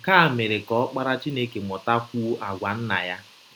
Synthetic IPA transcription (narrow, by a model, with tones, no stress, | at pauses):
ka˦a˨me˨ɾe˨kɔ˨ɔ˦k͡pa˦ɾa˦t͡ʃi˦ne˦ke˨mɔ˨ta˦ku˦ʔa˨ɡʷa˨n̩˦na̰˨ja˦